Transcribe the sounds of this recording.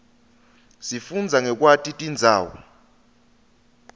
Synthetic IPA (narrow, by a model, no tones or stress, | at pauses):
sifund͡zʱaŋɛk̬ʼwatʰʼitʼind͡zʱaːwɔ̰